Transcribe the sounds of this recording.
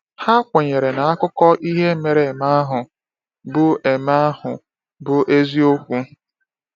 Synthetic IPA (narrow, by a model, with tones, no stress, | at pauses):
ha˦kʷe˨ɲe˨ɾe˨na˨a˦kʊ˦kɔ˦ʔi˦ɦe˦m̩˦me˨ɾe˨e˨ma˦a˦ɦʊ˨ | bʊ˦ʔe˨ma˦a˦hʊ˨ | bʊ˨ʔe˦zi˦o˦kʷu˦